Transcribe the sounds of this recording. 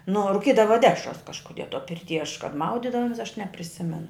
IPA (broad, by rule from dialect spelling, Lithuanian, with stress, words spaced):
nʊ oː rʊˈkʲiːdɐʋɐ ˈdʲæːʃrɐs kɐʃkʊˈdʲiɛ toː pʲɪrʲˈtʲiː ɐʃ kɐt ˈmɐʊdʲɪdɐʋoːmʲɛs ɐʃ nʲɛpʲrʲɪˈsʲɪmʲɛnʊ